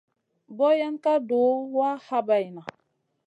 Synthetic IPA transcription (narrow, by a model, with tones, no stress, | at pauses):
bɔ˦ja˦nka˦do˨˦wa˦ha˦ba˨jna˨